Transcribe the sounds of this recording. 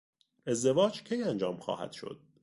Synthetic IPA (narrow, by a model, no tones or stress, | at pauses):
e̞zd̪e̞vɒːd͡ʒcʰejænd͡ʒɒːmxɒ̰ːhæ̰d̪̥ʃo̞̰d̪̥̚